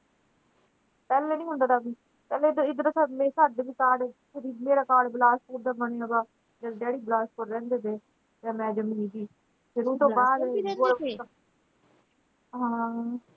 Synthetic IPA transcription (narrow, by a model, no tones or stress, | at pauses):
pɛːleːnĩːɦʊ̃nd̪aːd̪aːbiː | pɛːleːd̪ɪd̪ɾoːsamẽːsad̪biːkaːɖpʰɪɾiːmeːɾaːkaːɖblaːspuːɾd̪aːbəneːãbaː | d͡ʒəlɖɛːɽiːblaːspʊɾɾɛ̃ːnd̪eːd̪eː | jaːmɛ̃ːd͡ʒəmĩːɡiː | pʰɪɾũːt̪õːbaːd̪o | ɦãː